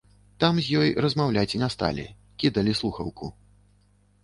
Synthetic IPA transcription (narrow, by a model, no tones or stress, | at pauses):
t̪amzʲjɔjrɐzmawlʲat͡sʲinɐst̪a̰lʲɛ̰ | kʲid̪ɐlʲislˠuxɐ̰wkṵ